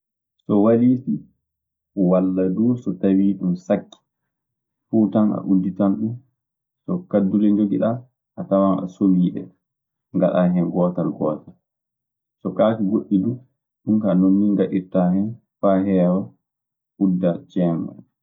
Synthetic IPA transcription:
sɔwaɾiːti | walːaduːsɔtawiːɗumsakːi̥ | fuːtana̰ʔudːitanɗun | sɔkadːuɾɛɲd͡ʒoɡiɗa | ʔatawana̰sowiːɗɛ̰ | ŋɡaɗaɦɛnɡɔːtalɡɔːtal | sɔkakiɡoɗːidu | ɗumkaːnonːiŋɡaɗitahɛn | faɦɛːwa | ʔudːat͡ʃɛːma̰

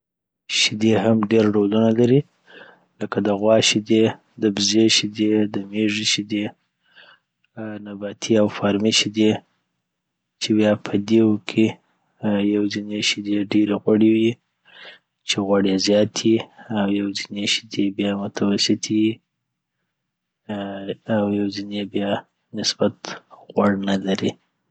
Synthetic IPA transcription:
ʃɪd̪eɦamɖeɾɖolunalaɾi | ləkad̪əɣwɑʃid̪e | d̪əbzeʃid̪ed̪əmeʐiʃid̪e | nabat̪ʰiawfɑɾmiʃid̪e | t͡ʃebjɑpʰəd̪ewkʰe | jawzineʃid̪eɖeɾeɣwaɽewi | t͡ʃeɣwaɽezjɑt̪ʰiawjawzineʃi̥d̪ebjɑmʊt̪ʰawasɪt̪ʰiji | awjawzinebjɑ | nɪsb̥at̪ɣwaɽnalaɾi

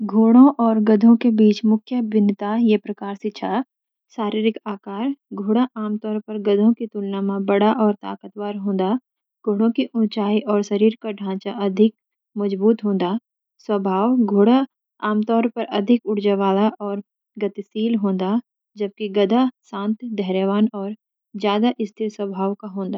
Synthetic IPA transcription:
ɡʱoːɽõʔɔːɾɡɐd̪ʱõkebiːt͡ʃmʊkʰjəbɪnt̪ajepɾɐkaːɾsɪt͡ʃʰa | ʃaːɾiːɾɪkaːkaːɾɡʱoːɽaʔaːmt̪ɔːɾpɐɾɡɐd̪ʱõkit̪ʊlnamãbɐɽaʔɔːɾt̪a̰ːkət̪waːɾɦõːnd̪a | ɡ̥ʱoːɽõkiʔʊ̃nt͡ʃaːiʔɔːɾʃɐɾiːɾkaɖʱãːt͡ʃaʔɐd̪ʱɪk̚ | mɐd͡ʒbuːt̪ɦõːnd̪a | swɐbʱaːwɡʱoːɽa | aːmt̪ɔːɾpɐɾɐd̪ʱɪkʊɽd͡ʒaʋaːlaʔɔːɾ | ɡɐt̪siːlɦõːnd̪a | d͡ʒɐb̚kiɡɐd̪asãːnt̪d̪ɛɦɾəʋaːnɔːɾ | d͡ʒjaːd̪aʔɪst̪ʰɪɾswɐbʱaːʋkaɦõːnd̪aː

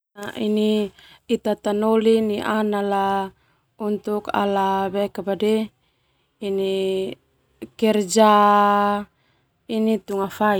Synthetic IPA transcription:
aʔiniit̪at̪anoliniʔanala | unt̪uka̰laβɛkabadɛ | ini | kɛrd͡ʒa | init̪uŋafai

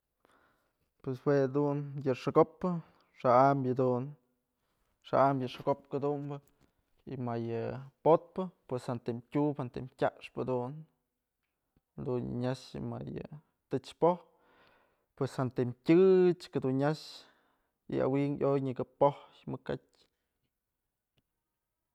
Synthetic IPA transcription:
pweswed̪unjɨʂɨɡopːɨ | ʂaʔambjɨd̪un | ʂa̰ʔamjɨʂɨɡopkɨd̪umbɨ | imajɨpot̪̚pɨpweshant̪emkʲuphant̪emtʲaʔʂpɨd̪un | d̪unɲaʃma̰jɨ̰ | t̪ɨt͡ʃpoh | pweshant̪emtʲɨt͡ʃkad̪unɲaʃ | ḭa̰wiŋʔojɲɨɡɨpohjmɨkat̚ʲ

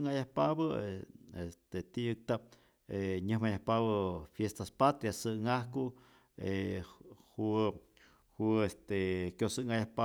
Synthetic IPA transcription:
ŋajahpabəeest̪et̪ijɨk̚t̪ap̚ | eɲɨhmajahpaβəfjest̪aspat̪ɾjasɨŋahku | e | hu | huest̪ekʲosɨʔŋajahpa

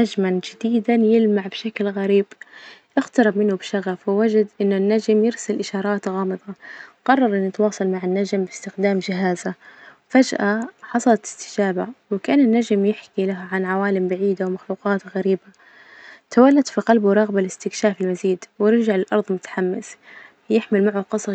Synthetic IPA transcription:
nad͡ʒmand͡ʒɪd̪iːd̪anjɪlmaʕbʃaklɣaɾiːbʔɪxt̪ɑɾˤɪbmɪnːʊbʃaɣafwɪwad͡ʒad̪ʔɪnːʊnːad͡ʒmjɪɾsalʔɪʃɑːɾˤɑːt̪ɣɑːmɨd̪ˤɑqɑrˤːɑɾˤʔɪnːɪt̪wɑːsˤɑlmaʕɪnːad͡ʒmbɪst̪ɪxd̪aːmd͡ʒɪɦaːza | fad͡ʒʔaħɑsˤɑlɑt̪ɪ̥st̪ɪ̥d͡ʒaːbawɪkaʔaːnɪnːad͡ʒmjɪħkilaɦʕanʕawaːlɪmbaʕiːd̪awmaxluːqɑːt̪ɣaɾiːba | t̪awalːad̪fiqɑlbwɾˤɑɣbalɪst̪ɪkʃaːfɪlmaziːd̪wɾd͡ʒaʕlɪlʔɑɾˤðˤmʊt̪ḁħamːɪ̰θ | jɪħmɪlmaʕwaqɑsˤɑ

